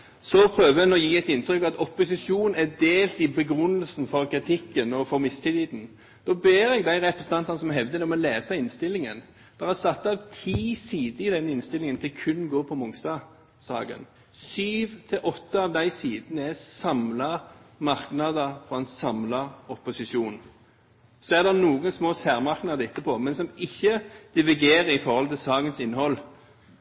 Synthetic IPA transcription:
sɔpʰɾøːʋəɛnɔjiːæɛɪt̪ɪnt̪ɾʏkɑt̪ɔpːʊsɪʂuːnnæd̪eːlt̪ɪbəɡɾʉnːəlsn̩fɔʁkʰɾɪt̪ʰɪkːənɔfɔɾmɪst̪ʰiːt̪iːd̪n̩ | d̪̥ɔːbeːɾɛɡd̪æɪʁɛpɾɛsən̩ɑnt̪ɑnəsɔmɦɛʋd̪əd̪ɛɔmɔleːsɑɪnst̪ɪlːɪŋən | d̪̥æːɾæsɑt̪ːɑʋt̪ʰiːsiːd̪əɪd̪ɛnːɪnst̪ɪlɪŋənt̪ʰɪlkʰʉnːɡoːpʰɔmʊŋst̪ɑː | sɑ̰ːɡə̰n | syːʋt̪ʰɪlʔɔt̪ːəɑʋd̪æɪsiːd̪ənəɛsɑmlɑmɑʁknɑd̪əfɔɛnsɑmlɑɔpːʊsɪʃuːn | sɔæʁd̪ɛʁnuːɡənsmoːsæːʁmɑʁknɑd̪əɪt̪ːəpʰɔmɛnsɔmɪçːəd̪̥ɪʋɪɡeːɾəɾɪfɔʁhɔlt̪ʰɪlsɑːɡənsɪnːhɔlː

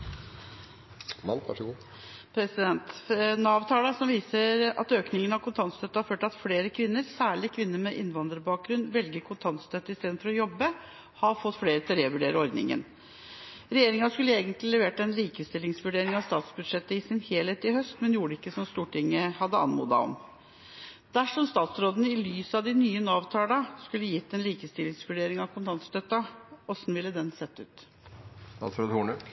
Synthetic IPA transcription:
ʂɡ | pʰɾɛsɪd̪ɛnt̪nɑːʋt̪ʰɑːləsɔmʋiːsəɾɑ̰t̪øːknɪŋənɑʋkʊnt̪ʰɑnst̪ʰœt̪ːəhɑɾføːʈɑt̪fleːɾəkʰʋɪnːəɾsæːɭɪkʰʋɪnːəɾmɛʔɪnʋɑnd̪ɾəbɑːk̚ɡɾʉnʋɛlɡəɾkʰʊnt̪ʰɑnt̪st̪ʰœt̪ːəɪst̪eːd̪n̩fɔɾɔjɔbːə | hɑɾfɔt̪ːfleːɾət̪ʰɪlɾeːʋʉɖeːɾəɔɾd̪nɪ̰ŋə̰n | ɾɛjeːɾɪŋɑskʉlːəeːɡənt̪lɪlɛʋeːʈɛnliːkəst̪ɪlːɪŋsʋʉɖeːɾɪŋɑʋst̪ɑːt̪sbʉd̪ʂɛt̪ːəɪsɪnheːlheːt̪ɪhœst̪mɛnjuːɖəɪkːəsɔmst̪uːʈʰɪŋːəhɑd̪ːəɑ̰nmṵːd̪ɑ̰ɔ̰m | d̪̥æʂɔmst̪ɑːt̪sɾoːd̪ənəɪlyːsɑʋd̪ɪnyːənɑːʋt̪ʰɑːlɑskʉlːəjɪt̪ːɛnliːkəst̪ɪlɪŋsʋʉɖeːɾɪŋɑʋkʰʊnt̪ʰɑnst̪œt̪ːɑɔsnʋɪlːəd̪ɛnsɛt̪ːʉ̰ːt̪ | st̪ɑ̰ːt̪sɾoːd̪huːɳʉ

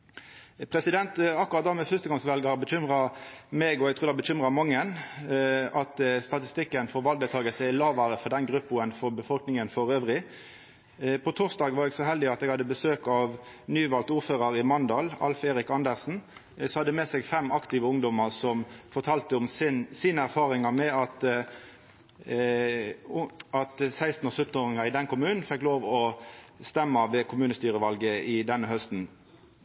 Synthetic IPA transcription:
pʰʁɛsɪd̪ɛnt̪ɑkːʊʁɑt̪̚d̪ɑːʁmɛfʉst̪əɡɑŋsʋɛlɡɑʁbəçʏmʁɑmɛɡɔɛɡ̚t̪ʰʁuːd̪ɛbəçʏmʁɑmɑŋːən | ɑt̪st̪ɑt̪ɪst̪ɪkːənfɔɾʋɑld̪ɛt̪ɑːɡəsəɪlɑːʋɑɾəfɔd̪ɛnɡʁʉpːʊənfɔʁbəfɔlknɪŋənfɔɾøːʋʁɪ | pʰɔt̪ʰʊːʁsd̪ɑːɡʋɑʁɛɡsɔɦɛld̪ɪɑt̪ɛɡhɑd̪ːəbəsøːkɑʋnyːʋɑlt̪uːɾføːʁəɾɪmɑnd̪ɑːlɑ̰lfeːɾɪkɑnd̪əʁsn̩ | sɔhɑd̪ːəmesɛːɡfɛmɑkt̪ɪʋəʊŋd̪ɔməʁsɔmfɔt̪ʰɑːlt̪əʊmsnsiːnəæʁfɑːʁɪŋɑmɛɑt̪ | ɑt̪sæɪst̪n̩ɔːsœt̪ːn̩oːʁɪŋɑʁɪd̪ɛnkʊmʉːnn̩fɛkːloːʋɔst̪ɛmːɑʋɛkʰʊmʉːnəst̪yːʁəʋɑlɡəɪd̪ɛnːəhœst̪n̩

